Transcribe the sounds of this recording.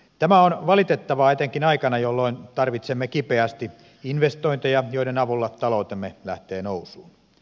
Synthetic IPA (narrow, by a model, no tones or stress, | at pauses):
t̪æmæonʋɑlit̪et̪ːɑʋɑet̪eŋkinɑikɑnɑjolːoint̪ɑrʋit̪semːekipeæst̪i | inʋest̪oint̪ejɑjoidenɑʋulːɑt̪ɑlout̪emːelæht̪eːnousuːn